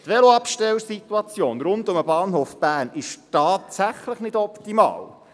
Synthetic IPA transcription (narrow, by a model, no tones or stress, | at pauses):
t̪ʋɛloɑpʃtɛlsit̪ːuɑt͡sjoːnɾʊndʊməbɑːnɦoːfb̥æːnɪʃtɑːtsæχləχnɪdɔpt̪imɑ̰ːl